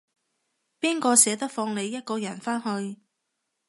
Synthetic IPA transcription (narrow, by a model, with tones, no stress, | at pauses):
piː˥nkɔː˧sɛː˨˥t̪̬ɐ˥k̚fɔː˧ŋle˨˧jːɐ˥t̚kɔː˧jɐ˨˩nfaː˥nhɵ˧ɥ